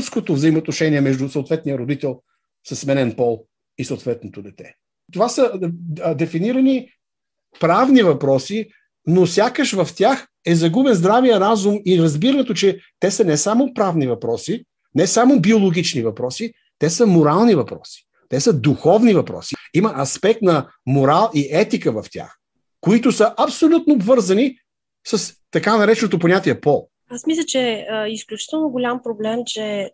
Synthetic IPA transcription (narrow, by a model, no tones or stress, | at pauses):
skot̪ovzəimot̪noʃɛniɛmɛʒd̪usəoʊt̪vɛt̪nijəɾod̪it̪ɛlˠ | sɐsmɛnɛnpɔlˠ | isoʊt̪vɛt̪not̪od̪ɛt̪ɛ̰ | t̪ovasəd̪ɛfiniɾəni | pɾavnivɐpɾɔsi | nosʲjakəʃvɐft̪ʲjax | ɛzɐɡubɛnzd̪ɾavijəɾazumiɾɐzbiɾət̪ot͡ʃɛt̪ɛsənɛsamopɾavnivɐpɾɔsi | nɛsamʊbiolˠoɡ̟it͡ʃnivɐpɾɔsi | t̪ɛsəmʊɾalˠnivɐpɾɔ̰si̥ | t̪ɛsəd̪uxɔvnivɐpɾɔ̰siiməʔɐspɛk̚t̪nɐ | moɾalˠiʔɛt̪ikəvɐft̪ʲja̰x | koit̪ʊsəʔɐpsolʲut̪̚noːbvɤɾzɐni | səst̪ɐkanɐɾɛt͡ʃɛnot̪oponʲat̪iɛpɔlˠ | asmislʲət͡ʃɛisklʲut͡ʃi̥t̪ɛlˠnoɡolʲampɾoblɛmt͡ʃɛ